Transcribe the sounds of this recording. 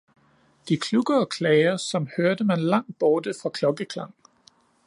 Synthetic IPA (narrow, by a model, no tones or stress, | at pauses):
d̥ikʰluɡ̥ɐ̽ːkʰlɛɪɐsɒ̽mhøɐd̥əmænlɑ̈ŋ̰d̥̚b̥ɒːd̥əfʁɑ̈kʰlɒ̽ɡ̥əkʰlɑ̈ŋ̰